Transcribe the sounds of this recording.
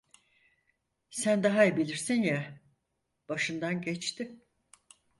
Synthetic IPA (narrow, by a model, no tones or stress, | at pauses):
sænd̪aɦaibilʲiɾsinjɛ | b̥aʃɯnd̪anɟɛt͡ʃt̪ɪ